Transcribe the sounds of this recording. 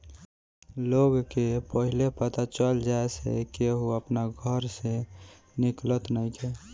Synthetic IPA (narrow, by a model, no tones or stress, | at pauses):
loɡkepəɦilepət̪at͡ʃəld͡ʒaesḛkeɦuəpnaɡʱəɾse | nɪklət̪nəikʰe